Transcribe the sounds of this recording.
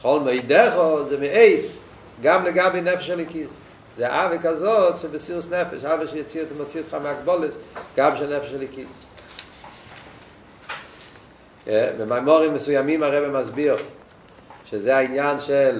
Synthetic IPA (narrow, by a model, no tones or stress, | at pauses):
χɔlˠmjdɛχɔzemɪʔeɪt | ɡamləɡabeɪnɛfeʃalˠikis | zea̰ʔavɪkazɔtʃɪbɪsiʁəsnɛfɛ̰ʃavəʃɪjɔt͡siətɪmot͡siʊtχamɪakbɔlˠəsɡabʃɛnɛfeʃalˠikis | ɛmɪmamɔʁɪmːəsujamimaʁɛbɪmazbiʁ | ʃɪzeːainjanʃɛl